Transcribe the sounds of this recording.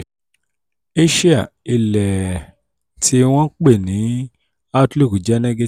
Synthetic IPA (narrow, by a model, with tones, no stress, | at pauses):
e˦ʃi˦a˦˨ | i˧˨lɛ˨ | ti˧w̃ɔ̃˦k͡pe˦˨nĩ˨˦ | a˦tli˦˨ku˨d͡ʒɛ˦nɛ̃˦ɡe˧